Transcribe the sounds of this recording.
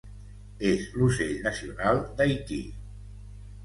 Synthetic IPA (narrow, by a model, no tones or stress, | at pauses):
ezluseʎnəsiunalˠd̪ajt̪ḭ